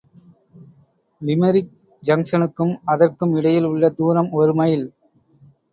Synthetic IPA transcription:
ʋɪmɐɾɪk̚ | d͡ʒɐŋsɐnɯkːɯmɐðɐrkɯmɪɽɐjɪlʊɭːɐd̪uːɾɐmɔɾɯmɐjɪl

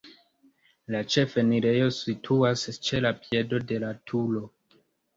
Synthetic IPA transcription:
lat͡ʃe̞feniɾe̞jo̞sitʰuast͡ʃe̞lapje̞do̞de̞latʰulo̞

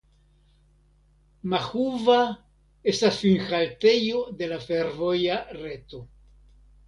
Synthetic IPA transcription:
maxuva | e̞stasfinxalte̞jo̞de̞lafe̞ɾvo̞jaɾe̞to̞

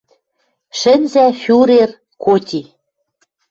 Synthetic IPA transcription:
ʃɘ̆nzæfʲuɾer | kotʲi

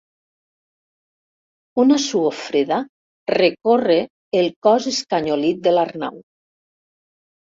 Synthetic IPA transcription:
unasuofɾeða | rekoreː | lˠkɔzeskaɲolit̪̚d̪elarna̰w

